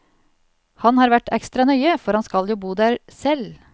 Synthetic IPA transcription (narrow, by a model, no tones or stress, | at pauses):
hɑnhɑːɾʋæʈɛ̰kst̪ɾɑnœʏəfɔɾhɑnskɑljuːbuːd̪æːɾsɛl